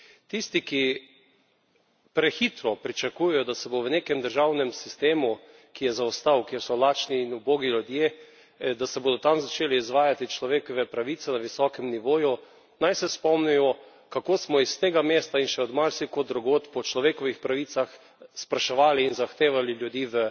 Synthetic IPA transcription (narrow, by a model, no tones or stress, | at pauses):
t̪ist̪iki | pɾɛxiːt̪ɾɔpɾit͡ʃakujɛjɔd̪asɛboʋənekɛmd̪əɾʒawnɛmsist̪eːmu | kijɛzaɔst̪awkeːɾsɔlaːt͡ʃniːnuboːɡilʲud̪je | d̪asɛboːd̪ɔt̪amzat͡ʃeːliːzʋaːjat̪it͡ʃlɔʋeːkɔʋɛpɾaʋiːt̪sɛnaʋisɔkɛmniʋoːju | najsɛspɔmnɛjɔ | kakoːsmɔist̪eːɡameːst̪ainʃɛɔd̪maɾsikod̪ɾuɡoːt̪pɔt͡ʃlɔʋeːkɔʋixpɾaʋit̪sax | spɾaʃɛʋaːliːnzaxt̪eːʋaliljud̪iːʋə